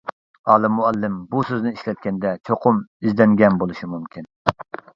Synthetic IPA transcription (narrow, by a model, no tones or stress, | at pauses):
ɑːlˠɨmːuɛlːɪmbusøznɪiʃlɛt̪̚kʲɛnd̪ɛt͡ʃʰoqʰʊmizd̪ɛŋɡʲɛnbolˠuʃimumkʲʰin